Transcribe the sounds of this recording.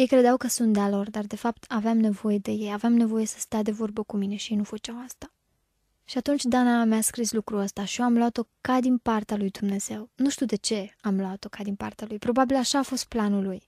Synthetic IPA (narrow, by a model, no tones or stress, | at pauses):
je̞jkɾed̪eawkəsunt̪̚d̪ealo̞rd̪ard̪e̞fapt̪ʰaveamne̞vo̞je̞d̪e̞je̞javeamne̞vo̞je̞sə̥st̪ead̪e̞vo̞rbəkumine̞ʃijenufət͡ʃawast̪a | ʃiat̪unt͡ʃʲd̪anameaskɾislukɾuəst̪aʃijoamloat̪o̞kad̪inpart̪ealujd̪umne̞z̥e̞wnuʃt̪iuwd̪e̞t͡ʃe̞amloat̪o̞kad̪inpa̰rt̪ealujpɾo̞babilaʃaːfo̞st̪̚planuluj